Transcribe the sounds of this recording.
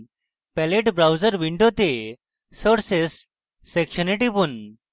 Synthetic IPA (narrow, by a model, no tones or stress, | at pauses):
pɛleʈbɾawd͡zəɾʋiɳɖot̪e | səɽsesː | ekɕəniʈipun